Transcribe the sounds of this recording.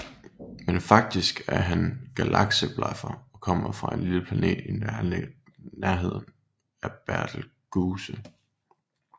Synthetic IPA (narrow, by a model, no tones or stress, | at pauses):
menfɑ̈ɡ̥̚d̥isɡ̥æɐɦænɡ̥ælʔɑ̈ɡ̥səb̥lɑ̰fɐɒ̽kʰɒ̽m̰ɐfʁɑ̈e̝nliləpʰlæne̝̰ːd̥i | næɐɦe̝ð̞̰ˠn̩ | æɐb̥æɐ̰d̥l̩ɡ̥uːsə